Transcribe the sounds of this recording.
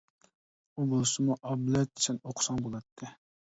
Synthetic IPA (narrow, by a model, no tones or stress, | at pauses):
ubolˠsɨmuʔɑblɛt̪̚ɪ̥ʃɛnoqʰsɑŋbolˠɑt̪ʰːɨ